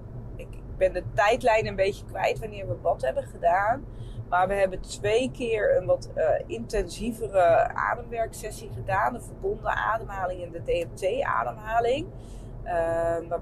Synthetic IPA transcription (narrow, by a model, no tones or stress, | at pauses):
ɪk̚bɛndətɛjtlɛjnənbejcəkʋɛ̰jtʋanɪːɹʋəʋɑtɦɛbənχədaːn | maːɹʋəɦɛbəntʋejkɪːɹənʋɑtɪntɛnzivərəa̰ːdəmʋɛɹksɛsiχədaːnəvəɹbɔndə̰ʔa̰ːdəmɦaːlɪŋɛndədejɛnteja̰ːdəmɦaːlɪŋ | əʋa